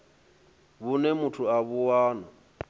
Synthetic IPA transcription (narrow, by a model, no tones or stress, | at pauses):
βunɛmutʰuaβuwaːnɔ